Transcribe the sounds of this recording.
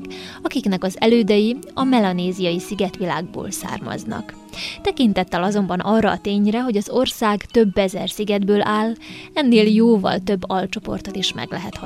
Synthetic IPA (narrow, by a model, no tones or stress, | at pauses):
ɒkiknɛkɒzɛ̰løːd̪ɛjiɒmɛlɒneːzijɒjisiɡɛt̪ʋilaːɡ̚bo̰ːlsa̰ːrmɒ̰znɒ̰k | t̪ɛkint̪ɛt̪ːɛlɒzo̞mbɒnʔɒrːɒːt̪eːɲrɛɦo̞ɟɒzo̞rsaːɡt̪ø̞bːɛzɛrsiɡɛd̪bøːlʔaːlɛnːeːljoːvɒ̰lt̪ø̞bːɒlt͡ʃo̞po̞̰rt̪o̞t̪iʃmɛ̰ɡlɛɦɛt̪hɒ